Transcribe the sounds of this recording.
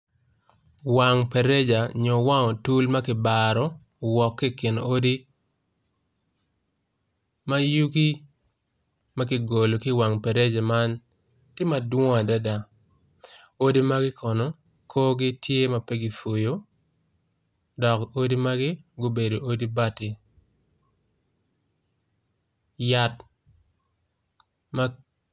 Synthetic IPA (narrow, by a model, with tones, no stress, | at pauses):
wa˨ŋpɛ˨ɾe˦d͡ʒa˨ɲɔ˨wa˦ŋɔ˨tu˦lma˦kɪ˨ba˨ɾɔ˦ | wɔ˨kːi˦kɪ˨n˨o˦di˦ | ma˦ju˦ɡi˦ | ma˦kɪ˨ɡo˨lo˨ki˦wa˨ŋpɛ˨ɾe˦d͡ʒa˨ma˦n | tɪ˦ma˨dwɔ˦a˨da˦da˨ | o˦di˦ma˦ɡɪ˦kʰɔ˨nɔ˨ | kʰoː˦ɡɪ˦tʰje˦ma˨pɛ˦ɡi˨fo˨jo˦ | dɔ˨ko˦di˦ma˦ɡɪ˦ɡo˦be˨do˨ʔo˦di˦ba˦ti˨ | ja˦t | ma˦